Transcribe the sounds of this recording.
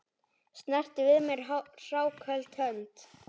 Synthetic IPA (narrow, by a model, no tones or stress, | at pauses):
st̪nɛr̥t̪ɪvɪðmɛɾ̥r̥aːwkʰœlt̪hœnt̪